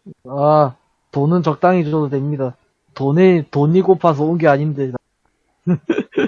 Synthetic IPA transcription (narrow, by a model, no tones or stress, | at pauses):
a | tonɯnt͡ɕʌk̚t͈aŋid͡ʑʌdodwemɲida | tonitoɲikopʰas̬ʰʌonɡeaɲindeda